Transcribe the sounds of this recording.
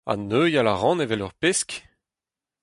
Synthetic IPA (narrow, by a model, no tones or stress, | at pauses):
a̰nøjalaʁɑ̃nevɛlœʁpesk